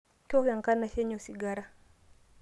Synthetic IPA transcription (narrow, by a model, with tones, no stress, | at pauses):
kɔ˦wa˨ŋka˦na˨ʃɛ˦ɲɔ˨si˨ɡa˦ɾa˦